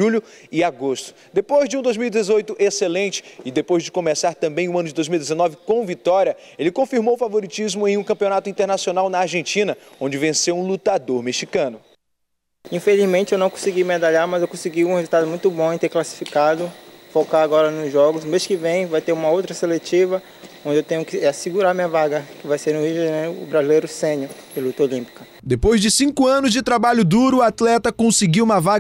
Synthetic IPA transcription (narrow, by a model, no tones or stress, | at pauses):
uʎʊ | ɪaɡost̪ʊ̥d̪epojzd͡ʒɪũd̪ojzmiwid̪ezojt̪ʊʔeselẽnt͡ʃɪ̥ɪd̪epojzd͡ʒɪkõmesaɾt̪ɐ̃mbẽj̃ʊɐ̃nʊd͡ʒɪd̪ojzmiwid̪ezenɔvɪkõvit̪ɔɾiɐ | elɪkõfiɾmowʊfavoɾit͡ʃizmʊẽj̃ũkɐ̃piõnat̪ʊĩt̪eɾnasionawnɐaɾʒẽnt͡ʃĩnɐ | õd͡ʒɪvẽsewũlut̪ad̪oɾmeʃikɐ̃nʊ | ĩfelizmẽnt͡ʃɪewnɐ̃w̃kõsɪɡimed̪aʎaɾmɐzewkõsiɡiũhezut̪ad̪ʊmũj̃t̪ʊbõẽt̪eɾklasi̥fikad̪ʊfokaɾaɡɔɾɐnʊzʒɔɡʊzmeʃkɪvẽj̃vajt̪eɾũmɐowt̪ɾɐselet͡ʃivɐ | õd͡ʒɪewt̪ẽɲʊkɪasɪɡuɾaɾmĩɲɐvaɡɐkɪvajseɾnʊhid͡ʒʊʒanejɾʊːbɾazilejɾʊsẽɲʊd͡ʒɪlut̪ɐolĩpi̥kɐ | d̪epojzd͡ʒɪsĩkʊɐ̃nʊzd͡ʒɪt̪ɾabaʎʊd̪uɾʊːat̪lɛt̪ɐkõsɪɡiwũmɐva